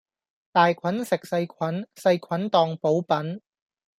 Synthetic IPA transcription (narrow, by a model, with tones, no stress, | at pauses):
t̪aː˨jkʷʰɐ˨˥nsɪ˨k̚sɐ˧jkʰɐ˨˥nsɐ˧jkʰɐ˨˥nt̪ɔː˧ŋpo˨˥wpɐ˨˥n